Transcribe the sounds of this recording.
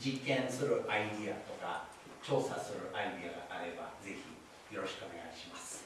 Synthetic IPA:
d͡ʑikːẽ̞ɰ̃sɨɾɯ̟ʔaid̪iat̪o̞ka̰ | t͡ɕo̞ːsasɨɾɯ̟ʔaid̪iaɡa̰ʔaɾe̞ba̰ze̞çḭ | jo̞ɾo̞ɕi̥kɯo̞ne̞ɡa̰iɕimasɨ̥

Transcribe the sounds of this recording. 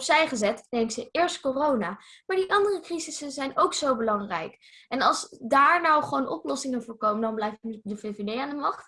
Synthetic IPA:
psɛjχəzɛtnejŋksəʔɪːɹstkorownaː | maːɹdiʔɑndərəkrizɪsənzɛjnowksowbəlɑŋrɛ̰jk | ɛnɑlˠzdaːɹnɔwχəʋownʔɔ̰plɔsɪŋənvʊːɹkowməndɑnblɛjfdəvevedejaːndəmɑχt

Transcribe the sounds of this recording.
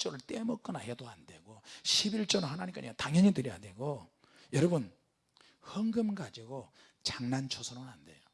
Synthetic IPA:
t͡ɕ͈ʌɾɯɭt͈emʌk͈ɯnahedoande̞̰ɡoɕʰibiɭt͡ɕ͈ʌnʌhanaɲimkaɲiataŋjʌɲitɯɾjadwe̞ɡo | jʌɾʌbɯn | hʌŋɡɯmɡad͡ʑiɡo | t͡ɕaŋnant͡ɕʰosʰoɾoɯnande̞̰jo

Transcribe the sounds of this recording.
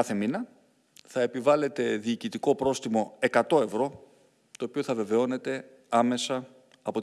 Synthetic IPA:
ɐθe̞minɐ | θɐe̞pivɐle̞t̪e̞ðiːcit̪iko̞pɾo̞st̪imo̞e̞kɐt̪o̞e̞vɾo̞ | t̪o̞ːpio̞θɐve̞ve̞o̞ne̞t̪e̞ | ɐme̞sɐ | ɐpo̞t̪

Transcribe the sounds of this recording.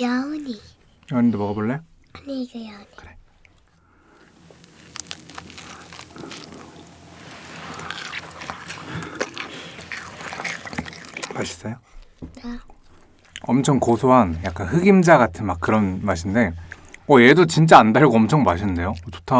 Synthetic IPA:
jaɲi | jʌɲindemʌɡaboɭːe | ɲikɯjani̥kɯɾe | maɕʰi̥s͈ʌjo | ʌmt͡ɕʰʌŋkosʰoɦanjak͈anɸɯɡimd͡ʑaɡatʰɯnmak͈̚ːɯɾʌnmaɕʰinde̞ | ʌje̞dot͡ɕint͡ɕ͈aandaɭɡoʌmt͡ɕʰʌŋmaɕʰinnde̞jot͡ɕo̥tʰa

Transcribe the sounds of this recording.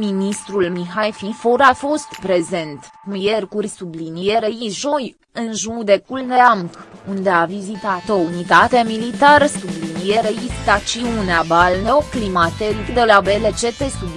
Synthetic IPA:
minist̪ɾulmiɦajfifoɾafo̞st̪pɾe̞ze̞nt̪ | mije̞rkurʲsublinijeɾeiʒo̞j | ɨnʒud̪e̞kulneamkund̪e̞avizit̪at̪o̞unit̪at̪e̞milit̪aɾəsublinijeɾeist̪at͡ʃiuneabalneoklimat̪eɾikd̪e̞labe̞le̞t͡ʃe̞t̪e̞sub

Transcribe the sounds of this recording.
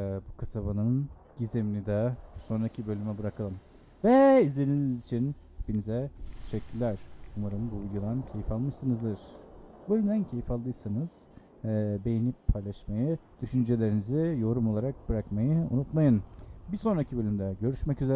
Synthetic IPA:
bukʰasabanɯn | ɟizeminid̪abuso̞nɾacʰibø̞lʲymɛbɯɾakʰalˠɯm | vɛizlʲed̪inizit͡ʃʰin | pinizɛt̪ʰeʃɛcʲʰːyɾlʲæɾ̥umaɾɯmbuvid̪ʲjod̪ancʰe̞jifalˠmɯʃsɯnɯzd̪ɯɾ̥bø̞lʲymd̪æncʰe̞jifalˠd̪ɯjsanɯz̥ | be̞jinippʰajlˠaʃmajɯd̪̥yʃynd͡ʒe̞lʲe̞ɾinizijo̞ɾumo̞lˠaɾak̚b̥ɯɾakmajɯṵnut̪majɯnbiɾso̞nɾacʰibø̞lʲymd̪ɛɟø̞ɾyʃmɛcyze

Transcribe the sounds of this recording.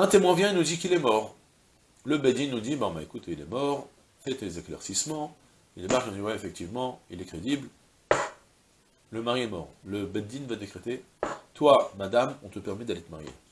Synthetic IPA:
ɛ̃t̪emwɛ̃vjɛ̃inud̪ikilɛmɔʁ | ləbɛd̪inːud̪ibɛ̃bɛ̃ekut̪ilɛ̰mɔʁ | fɛt̪ezeklɛ̰ʁsismɑ̃ | ilemaʁinũd̪iwɛefɛk̚t̪ivmɑ̃ilɛkχed̪ibl | ləmaʁiɛmɔ̰ʁləbɛd̪invad̪ekχet̪e | t̪wamad̪amɔ̃t̪əpɛʁmid̪alet̪əmaʁjḛ

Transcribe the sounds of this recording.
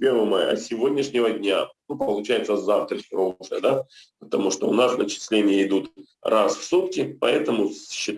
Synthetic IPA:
pʲervɨmaj̰ɐ̰sʲɪvo̞dʲnʲɪʂnʲɪvədʲnʲanupəlˠʊt͡ɕæjɪt̪səzaft̪ɾəɾoʐɨ̰d̪apə̥t̪ɐmuʂt̪oʊnasnət͡ɕɪ̥sʲlʲenʲɪjəɪd̪ut̪ | rasfsut̪kʲɪpɐ̰ɛt̪əmʊɕːɪt̪

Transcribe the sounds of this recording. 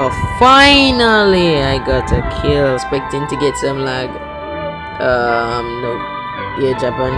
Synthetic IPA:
faɪnəliaɪɡɑtʰəkʰɪlspɛk̚tɪ̃ntɨɡɛtsə̃mlaɡ | ʌ̃mnoʊ | jɛd͡ʒapə̃n

